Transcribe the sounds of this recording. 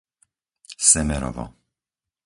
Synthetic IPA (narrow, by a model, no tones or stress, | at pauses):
sɛmɛɾɔ̰vɔ̰